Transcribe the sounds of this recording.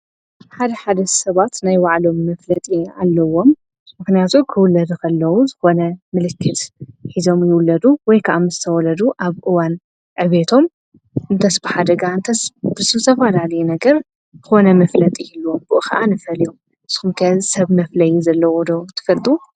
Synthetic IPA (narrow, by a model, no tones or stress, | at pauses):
ħad̪ɐħad̪ɐsɐβat̪najwaʕlo̞mːɐflɐt̪ʼia̰lːɐwo̞m | mɨxnijat̪ʰukʰɨwʊlːɐd̪ukʰɐlːɐwuzɨxo̞nɐmɨlɨkʰːɨt̪ħizo̞mjɪwʊlːɐd̪uwɔjkʰɐʔamzɨt̪ʰɐwɔlɐd̪uʔaβʔɨwan | ʕɨβet̪ʰo̞m | ʔɨnt̪ʰɐsbɨħad̪ɐɡaɨnt̪ʰɐsb̥ɨsɨβt̪ʰɐfɐlalɐjunɐɡɐɾ | zɨxo̞nɐmɐflɐt̪ʼijɪlːuombɨʔɨxɐʔanɨfɐlju | ɨsxumkʰɐsɐβmɐflɐjizɐlːɐwɔd̪ɐwt̪ʰɨ̥fɐlt̪ʼu